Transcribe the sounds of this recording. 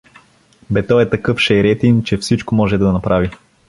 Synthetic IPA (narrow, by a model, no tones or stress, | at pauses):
bɛt̪ɔɛt̪ɐkɤfʃɛɾɛt̪int͡ʃɛfsit͡ʃkomɔʒɛd̪ɐnɐpɾavi